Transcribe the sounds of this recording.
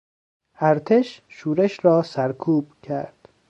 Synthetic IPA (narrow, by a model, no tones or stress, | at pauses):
ʔæɾt̪ʰe̞ʃʃuːɾeʃɾɒːsæɾkʰuːb̥̚cʰæ̰ɾd̪̥